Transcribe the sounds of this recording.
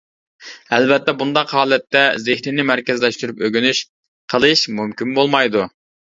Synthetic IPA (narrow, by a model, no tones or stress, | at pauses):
ɛlbɛt̪ːɛbund̪ɑqhɑːlˠɛt̪ːɛzɪhɾɪnɪmæɾkʲɛzlɛʃt̪yɾypøɡʲynyʃ | qʰəlˠɨʃmumkʲimbolˠmɑjd̪u